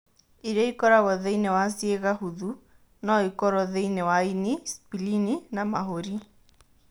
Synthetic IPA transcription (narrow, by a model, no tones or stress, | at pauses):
iɾaikɔɾaɣɔðeinewasieɣahuðu | nɔikɔɾɔðeinɛwainispilininamaɦoɾi